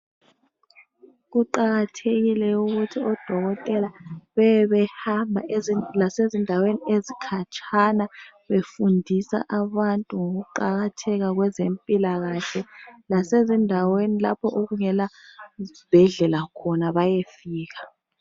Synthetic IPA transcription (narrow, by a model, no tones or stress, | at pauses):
ɣ̬uǃaɣatʰeɣilɛuɣutʰiɔd̥ʱɔɣɔtʼɛlaβɛβɛhambʱa̰ʔlasezindʱaweniezikʰat͡ʃʰanaβefundʱisa̰ʔaβantʼuŋoɣuǃaɣatʰɛɣaɣ̬wɛzempʼilaɣaɬɛlasezindʱawenila̰pʰɔʔoɣuŋɛla | ib̥ʱɛɮɛlakʰɔnaβajefiːɣḁ